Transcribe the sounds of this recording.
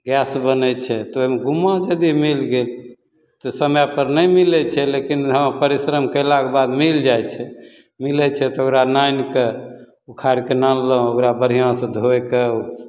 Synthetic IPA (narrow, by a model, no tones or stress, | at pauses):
ɡɛsbənɛt͡ʃʰɛt̪ɔoɦimeɡumãd͡ʒəd̪imilɡel | t̪ɔsəmjapəɾnəjmilɛt͡ʃʰɛlekinɦə̃pəɾisɾəmkəlakebad̪mild͡ʒajt͡ʃʰɛ | milɛt͡ʃʰɛt̪ɔokɾanajnke | ukʰaɾkenanlə̃okɾabəɾ̤ijãsə̃d̪ʱoɛkeu